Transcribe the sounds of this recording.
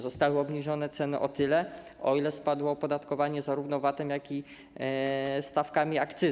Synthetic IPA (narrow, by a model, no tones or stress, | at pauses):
zɔst̪awɘɔbɲiʐɔnɛt̪sɛnɘʔɔt̪ɘlɛ | ɔilɛspad̪wɔːpɔd̪at̪kɔvaɲɛzaɾuvnɔvat̪ɛmjakʲi | st̪afkamʲiakt̪sɘ